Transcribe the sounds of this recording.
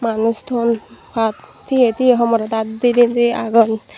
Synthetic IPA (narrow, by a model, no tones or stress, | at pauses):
manust̪ʰonpʰat̪ | t̪ʰːiet̪ʰieɦɔmɔɾɔd̪ad̪d̪iɾint̪ia̰ɡɔn